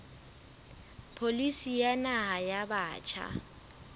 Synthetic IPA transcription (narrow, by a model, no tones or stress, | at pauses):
pʰolisijanaɦajabaːt͡ʃʰa̰